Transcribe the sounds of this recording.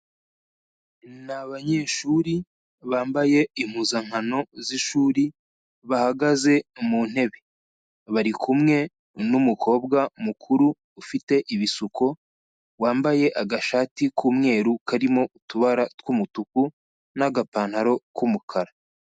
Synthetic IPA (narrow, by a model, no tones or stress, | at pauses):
naβaɲe̞ːʃuːɾi | βaːmbaje̞im̥huzaŋ̥hano̞ziʃuːɾi | βahaɡaze̞muːn̥e̞βe | βaɾikʰumŋe̞ | numukʰo̞ːbɡamukʰuɾuː | fite̞ʔiβisuko̞ | waːmbaje̞ʔaɡaʃaːtikʰuːmŋe̞ːɾukʰaɾimo̞utuβaɾatwumutuku | naɡapaːn̥haɾo̞kumukʰaɾa